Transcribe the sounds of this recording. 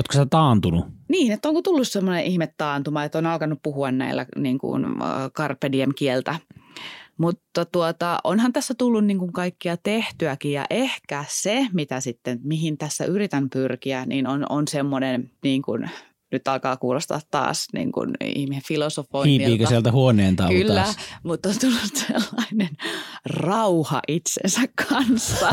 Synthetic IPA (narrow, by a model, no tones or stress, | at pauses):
ot̪koset̪ɑːnt̪ununiːnet̪ːoŋkot̪ulːussemːoneʔihmet̪tɑːnt̪umɑːet̪ːonɑlkɑnːuppuhuɑnnæ̰ilːæ̰niːŋkṵnkɑrpːediemkielt̪æ | mut̪ːɑt̪uot̪ɑʔonhɑnt̪æsːæt̪ulːunniːŋkuŋkɑikːiɑt̪eht̪yækijjɑ̰ʔehkæsemit̪æsit̪ːenmiɦint̪æsːæ̰ʔyrit̪ænpyrkiænḭnono̰nsemːonenniːŋkṵn | nyt̪ɑlkɑːkuːlost̪ɑ̰t̪t̪ɑ̰ːsnḭːŋkṵnḭhmisefilosofoikiːiiːkøiælt̪æhuoneːnt̪ɑkylːæmut̪ːont̪ulːunselːɑinenrɑuhɑ̰ʔit̪sḛnsækʰːɑnsːɑ